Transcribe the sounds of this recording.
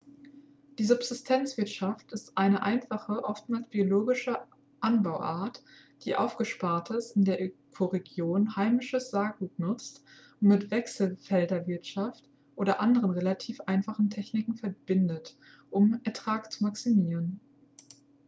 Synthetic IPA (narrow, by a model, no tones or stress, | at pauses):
d̥iːzʊbz̥ɪstʰɛnt͡sv̥ɪɐtʃaftɪstʔaɪnəʔaɪnfaχəʔɔftmaːlsb̥ioloːɡɪʃə | ʔanbaʊʔaːɐt | d̥ḭːʔa̰ʊfɡ̥əʃpaɐtʰəsɪndeːɐʔkʰoʁeɡjoːnhaɪmɪʃəsz̥aːɡuːtnʊt͡st | ʊntmɪtv̥ɛksl̩fɛldɐvɪɐtʃaft | ʔoːɾɐʔandəʁənʁelatʰiːfʔaɪnfaχn̩tʰɛçnɪkŋ̩fɛɐb̥ɪndət | ʔʊmɛɐtʁ̥aːkt͡sumaksimiːʁən